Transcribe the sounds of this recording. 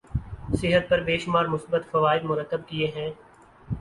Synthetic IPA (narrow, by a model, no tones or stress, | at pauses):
sɪɦət̪̚pɐɾbeːʃʊmaːɾmʊsbət̪fɐʋaːɪd̪mʊɾət̪ːəb̚kieɦɛ̃ː